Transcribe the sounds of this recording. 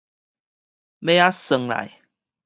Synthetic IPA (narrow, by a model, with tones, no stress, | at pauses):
me˦a˦sə˨˦ŋla̰˨˦j